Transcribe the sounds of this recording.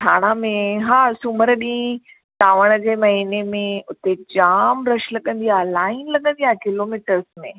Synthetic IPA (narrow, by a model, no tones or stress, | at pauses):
ʈʰaːɽ̃amẽɦaːsʊməɾɗĩ | t̪aːʋəɽ̃ə̆d͡ʑeːmɐɦiːnemẽʊt̪ed͡ʑaːmɾɐʃlɐɠə̃nd̪ialaːɪnlɐɠə̃nd̪iɦaːkɪloːmiːʈəɾsmẽ